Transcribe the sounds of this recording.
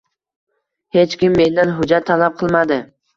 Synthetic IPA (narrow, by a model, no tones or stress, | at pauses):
he̞t͡ʃkʲɪmːe̞nd̪anɦʊd͡ʒat̪ʰːalap̚qʰɨlˠmad̪ɪ